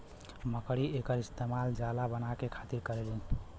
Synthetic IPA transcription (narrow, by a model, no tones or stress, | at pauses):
məkɽiekəɾist̪emald͡ʒalabənakekʰat̪iɾkəɾelɛn